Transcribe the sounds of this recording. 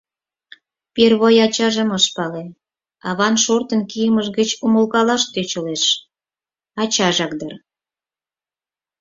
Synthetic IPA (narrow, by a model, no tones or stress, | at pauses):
perβojɑt͡ɕɑʒə̆məʃpɑle | ɑβɑnʃort̪ənkijəməʒɣət͡ɕuməlkɑlɑʃt̪øt͡ɕəleʃ | ɑt͡ɕɑʒɑk̚d̪ər